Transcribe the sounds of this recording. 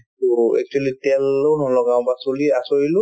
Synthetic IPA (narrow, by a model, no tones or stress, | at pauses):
tuɛ̰k̚t͡ʃualitɛlownɔlɔɡãw̃basuliasoɹilʊ